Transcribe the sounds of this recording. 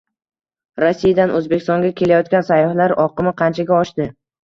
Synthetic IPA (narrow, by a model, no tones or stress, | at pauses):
ɾosːijad̪anʔɵzbekʲɪ̥st̪ɒŋɡʲakʲʰe̞lajɒt̪̚kʲansajɒhlaɾɒqɨmɪqʰɑnt͡ʃʰaɡʲaɒʃd̪ɪ